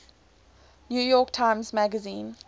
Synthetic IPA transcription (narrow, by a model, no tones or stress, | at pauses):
njujɔˑktʰãɪ̃mzmæɡəzĩːn